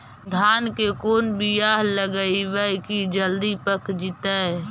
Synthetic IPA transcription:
d̪ʱaːnkekoːnbijaːɦləɡəiʋəkid͡ʒəld̪ipəkd͡ʒɪt̪ə

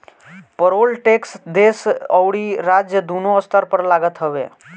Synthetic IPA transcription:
pəɾoːlʈeːksd̪eːsəwɽiɾad͡ʒjəd̪unoəst̪əɾpəɾlaːɡət̪ɦəʋḛ

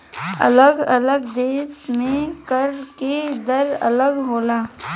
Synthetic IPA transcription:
ɐ̰ləɡɐləɡd̪eːsmẽkəɾked̪əɾɐ̰ləɡɦoːlaː

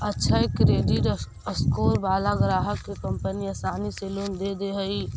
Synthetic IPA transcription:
ətːʃʰaekɾeːɖiʈ | əskoːɾbaːlaɡɾaːɦəkːekə̃mpəniɐsaːniseloːnd̪ed̪eɦəi

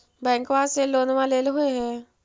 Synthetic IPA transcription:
bɛ̃ːŋkʋaːseloːnʋãleːlɦʊeɦɛ̃ː

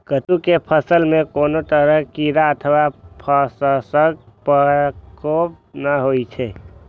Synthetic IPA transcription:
kət̪ukepʰəsəlmekonot̪əɾəɦkiɾaət̪ʰʋapʰəsəsək̚pəkop̚ | nəɦojt͡ʃʰɛ

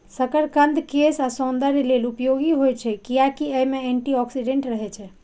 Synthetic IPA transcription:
səkəɾkənd̪ʱkesasond̪əɾilelupjoɡiɦojt͡ʃʰɛkijakiəjmeeɳʈiɔksiɖẽɳʈɾəɦɛt͡ʃʰɛ

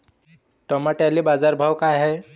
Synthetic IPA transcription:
ʈɔmaʈalibad͡zaɾbʱawkajɦɛj

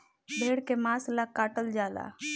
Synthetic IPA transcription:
bʱeːɽkemãːslakaːʈəld͡ʒaːla̰

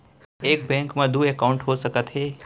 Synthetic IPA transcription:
ekbɛ̃ŋkmãd̪uekauɳʈɦosəkət̪ɦe

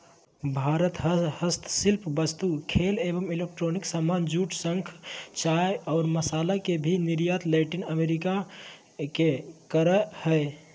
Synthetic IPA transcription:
bʱaɾət̪ɦhəst̪ʰsilpʰbəst̪ukʰelebəmilek̚ʈɾoniksamand͡ʒuʈsəŋkʰt͡ʃaejɔːɾməsalakebʱiniɾjat̪lɛʈinəmeɾika | kekəɾəhəe

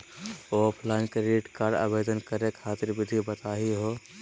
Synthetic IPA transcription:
opʰlankɾeʈkaːɾɖa̰bed̪ənkəɾekʰaːt̪iɾbid̪ʱibət̪aɦiɦo

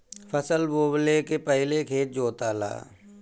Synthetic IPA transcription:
fʰəsəlboːblekepɛɦɪlekʰeːt̪̚d͡ʒoːt̪aːla̰ː

